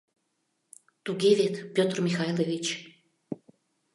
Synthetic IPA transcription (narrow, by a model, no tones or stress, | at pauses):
t̪uɣevet̪pʲot̪rmʲixɑjlevʲit͡ɕ